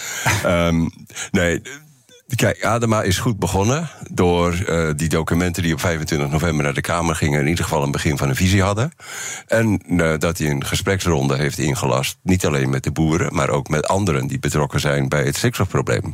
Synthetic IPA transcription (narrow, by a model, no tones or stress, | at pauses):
ə | neː | kʰɛjkaːdəmaʔɪsχut̚bəɣɔnədʊːərdidowkymɛntədiɔpfɛjvəntʋɪntəxnovɛmbərnaːrdəkʰaːmərχɪŋənɪnidərɣəfɑlˠənbəχɪnvɔnənviziɦɑdəʔɛndɔtiənχəsprɛksrɔndəɦejftɪ̰nχəlɑ̰stnitaleːnmɛt̚dəbuːəɾə̰ma̰ːɾʔo̰wkmɛtɑ̰ndəɾəndibətrɔkəzɛjnbɛjətsɪksɔfprowblḛːm